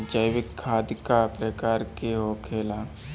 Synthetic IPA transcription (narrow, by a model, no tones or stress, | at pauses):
d͡ʒəjʋɪkʰːaːd̪kapɾəkaːɾkeɦokʰeːla